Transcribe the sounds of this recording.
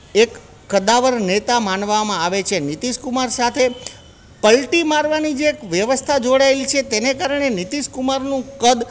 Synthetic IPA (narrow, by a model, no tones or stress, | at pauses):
ekː | əd̪aʋəɾnet̪amanʋamãaʋet͡ʃʰenit̪iʃkumaɾsat̪ʰe | pəlʈimaɾʋanid͡ʒeːkʋjəʋəst̪ʰad͡ʒoɽaelit͡ʃʰet̪enekaɾəɳenit̪iʃkumaɾnũkəd̪